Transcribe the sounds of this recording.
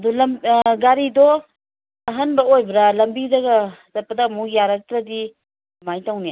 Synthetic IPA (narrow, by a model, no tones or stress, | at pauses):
ɐdulɐmɡaɾidɔ | ɐɦɐnbɐojbɾɐlɐmbidɐɡɐzɐt̚pɐdɐmujaɾɐk̚tɾɐdi | majtawnija